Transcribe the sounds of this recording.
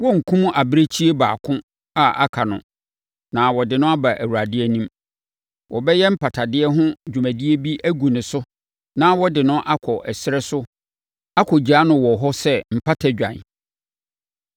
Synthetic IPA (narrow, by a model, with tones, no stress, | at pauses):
wɔ˦ŋ̩˨kʰũ˦m˦ʔa˨bɪ˦ɾe˦t͡ɕʰi˦e˦ba̰ː˨kʰʊ̃˦ | a˦ʔa̰˨kʰa˨nʊ̰̃˨ | nã˨wɔ˨dɪ˨nʊ̃˦a˦ba˨ʔæ˨wu˨ɾa˨dɪ˦ɛ˦nĩ˦m | wʔɔ˨bɛ˦jɛ˦m̩˦pʰa˨tʰa˨dɪ˦ɛ˦ɦʊ̃˦d͡ʑᶣu˨mæ̃˨di˦e˦bi˦ʔæ˦ɡu˨nʊ̃˨sʊ˦ | nã˦wɔ˦dɪ˨nʊ̃˦ʔa˦kʰɔ˨ʔɛ˨sɪ˦ɾɛ˦sʊ˦ | a˦kʰɔ˨d͡ʑa˦nʊ̃˨wɔ˨ɦɔ˦sɛ˦m̩˨pʰa˦tʰa˨d͡ʑᶣã̰˨n˨